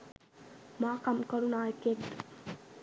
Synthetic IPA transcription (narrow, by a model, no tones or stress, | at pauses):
maːkɐmkolunaːekedd̪